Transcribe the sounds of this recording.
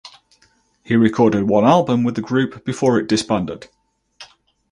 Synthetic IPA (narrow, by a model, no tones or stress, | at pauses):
hiɹɪkʰɔːdɪd̚wʌ̃nalˠbə̃mwɪðəɡɹʉˑpb̥ɪfɔːɹɪʔd̥ɪspãndɪd̥